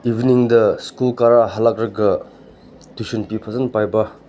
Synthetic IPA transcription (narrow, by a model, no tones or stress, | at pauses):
ibniŋdɐskulkaɾaɦalak̚ɾɐɡɐ | tusinpipʰɐzɐnpajbɐ